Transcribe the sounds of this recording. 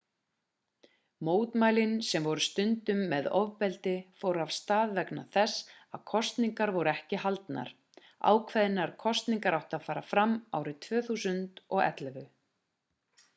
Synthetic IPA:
moːwt̪maːjlɪnsɛmvɔɾʏst̪ʏnt̪ʏmːɛðɔvpɛlt̪ɪfoːwɾav̥st̪aːðvɛknaθɛsa̰ðkʰɔst̪niŋkaɾvɔwɾʏɛhcɪhalt̪na̰ɾ̥ | a̰ːwkʰvɛðɪnaɾ̥kʰɔst̪niŋkaɾawht̪aðfaːɾafɾama̰ːwɾɪt̪ʰv̥œːθusʏnt̪ɔɣɛ̰t̪lɛvʏ

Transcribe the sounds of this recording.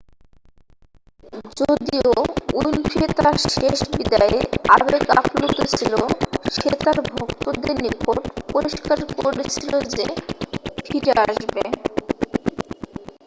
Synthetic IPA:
d͡ʑod̪ioujnfʰit̪aʃeʃbid̪aeabeka̰plot̪ot͡ɕʰiloʃet̪aɾbʱokt̪od̪enikoɾʈpoɾiʃkaɾkoɾet͡ɕʰilod͡ʑe | fʰiɾeaʃbe

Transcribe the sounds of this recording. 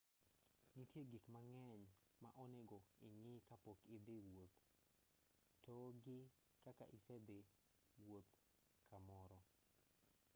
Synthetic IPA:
nitjeɡikmaŋɛɲma̰ʔɔnɛɡɔɪŋɪkapokɪd̪ɪwot̪ | toɡɪ | kaka̰ʔɪsɛd̪e | wot̪ | kʰamɔɾɔ

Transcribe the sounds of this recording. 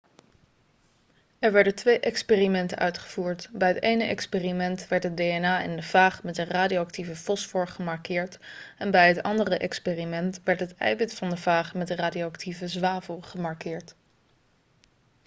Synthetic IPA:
ɛɹʋɛɹdəntʋejʔɛkspeːrimɛntəʔœ̰ɥtχə̥v̥uːɹtbɛjɦətejnəʔɛ̰kspeːrimɛntʋɛɹtɦəd̚eɛnaːɪ̰ndəvaːχmɛtdəraːdioɑk̚tivəfɔsfʊɹχəmɑɹkɪːɹtɛnbɛjɦətɑ̰ndərəʔɛkspeːrimɛntʋɛɹtɦətɛ̰jbɪtfɑndəvaːχmɛtdəraːdioɑktʰivəzʋaːvəlˠχəmɑɹkɪːɹt

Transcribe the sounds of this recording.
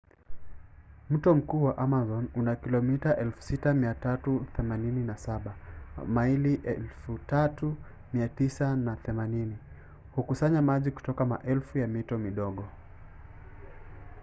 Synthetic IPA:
m̩tɔm̩kuːwaʔamazɔnunakilɔmitaʔɛlfu̥sitamiatatuθɛmanininasaɓamailiʔɛlfutatu | miatisanaθɛmanini | hukusaɲamaʄiku̥tɔkama̰ʔɛlfujamitɔmiɗɔɠɔ

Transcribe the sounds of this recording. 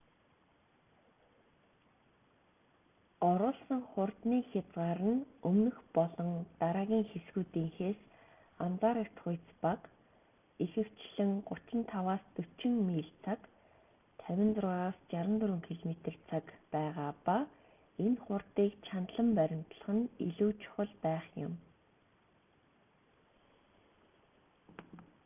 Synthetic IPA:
ɔɾʊːɮsə̆ŋχʊrt̪niːxʲat͡sɢaːɾə̆nɵmnɵ̆xpɔɮɞ̆nt̪aɾaːɣʲiːŋxesɡuːt̪iːŋxeːs | amt͡saːɾekt̪χʊjt͡spak | ixɘ̆w̥t͡ɕɮɘ̆ŋɢʊt͡ɕɪ̆nt̪ʰawaːst̪ɵt͡ɕɪ̆ŋmiːɮt͡sʰak | t̪ʰæwʲɪ̆nt͡srʊːʁaːst͡ɕaɾə̆nt̪ɵɾɵ̆ŋkʰeɮmet̪ɘ̆rt͡sʰakpæːʁaːpa | enχʊrt̪iːkt͡ɕʰant̪ɮə̆mpæɾʲɪ̆m̥t̪̆ɮə̆χə̆nḭɮuːt͡ɕʰʊ̥χə̆ɮpæːχjʊ̰m

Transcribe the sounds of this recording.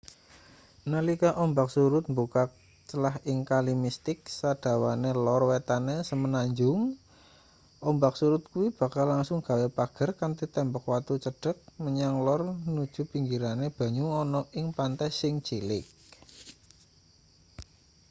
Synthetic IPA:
nəlikaʔɔmbak̚suɾʊt̪̚mbukak̚ | t͡ʃəlaɦɪŋkalimist̪ɪk̚sad̥a̤wanelɔrwet̪anesəmənaɲd͡ʒʊŋ | ʔɔmbak̚suɾʊt̪̚kuwib̥ä̤kalaŋsʊŋɡ̥a̤wepaɡ̥ə̤rkant̪it̪ɛmbɔk̚wat̪ut͡ʃəɖ̥ə̤k̚məɲaŋlɔrnud̥ʒ̥ṳpiŋɡiɾaneb̥a̤ɲuɔnɔʔɪŋpant̪ɛsɪŋt͡ʃilɪk̚

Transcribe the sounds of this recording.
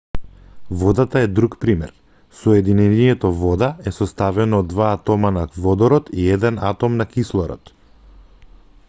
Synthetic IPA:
vɔd̪at̪aɛd̪ɾukpɾimɛ̰ɾ | sɔjɛd̪inɛniɛt̪ɔvɔd̪aɛsɔst̪avɛnɔːd̪ːvaːt̪ɔmanavɔd̪ɔɾɔt̪iɛd̪ɛna̰t̪ɔmnakislˠɔɾɔ̰t̪

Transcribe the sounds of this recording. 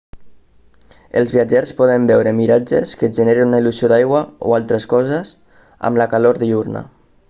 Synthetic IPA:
ə̰lˠzβiad͡ʒɛrspɔðəmbɛwɾəmiɾad͡ʒeskəʒəneɾenunailuzioðajɣwao̰alˠt̪ɾəskɔzez | a̰mlakaloɾðiurna̰

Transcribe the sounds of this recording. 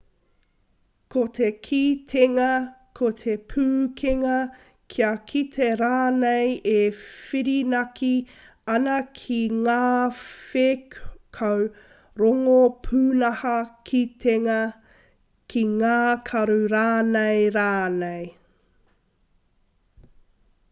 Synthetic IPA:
kʰot̪ʰekʰit̪ʰeŋɐkʰot̪ʰepʰʉːkʰeŋɐ | kʰiɐkʰit̪ʰeɾaːnejefiɾinɐkʰi | ɐnɐkʰiŋaːfekkʰow | ɾoŋopʰʉːnɐhɐkʰitʰeŋɐ | kʰiŋaːkʰɐɾuɾaːnejɾaːnej

